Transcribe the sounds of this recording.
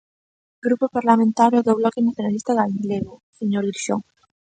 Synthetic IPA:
ɡɾupopaɾlamẽnt̪aɾjoðoβlɔkenaθjonalist̪aɣalileɣoseɲoɾiɾʃo̰ŋ

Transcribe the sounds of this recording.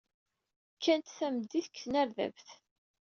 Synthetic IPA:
kʰːænt̪θæmd̪ːiθəkːθnæɾðæ̰vθ

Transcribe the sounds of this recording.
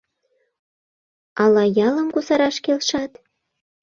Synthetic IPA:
ɑlɑjɑlə̆mkusɑɾɑʃkelʃɑt̪

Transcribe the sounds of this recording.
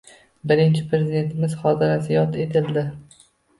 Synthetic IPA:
bɪɾɪnt͡ʃʰɪpɾezɪd̪e̞nt̪ʰɪmɪz̥χɒt̪ʰɪɾasɪjɒt̪ʰe̞t̪ʰɪld̪ɪ

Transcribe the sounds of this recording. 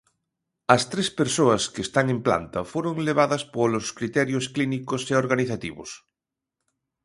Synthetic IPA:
ɐst̪ɾespeɾsoɐskeːst̪aŋẽmpla̰nt̪ɐfoɾoŋleβ̞aðɐspoloskɾit̪ɛɾjosklinikoseoɾɣaniθat̪ḭβo̰s

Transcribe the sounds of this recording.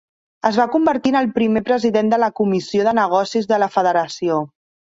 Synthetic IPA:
əzβakumbəɾt̪inəlˠpɾimepɾəziðend̪ələkumisioðənəɣ̞ɔsizðələfəðəɾəsio

